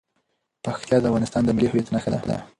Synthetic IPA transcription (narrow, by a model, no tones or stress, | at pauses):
paxt̪jɑd̪əavɣɑnɪst̪ɑnd̪əmɪlihʊjat̪naxad̪a̰d̪a̰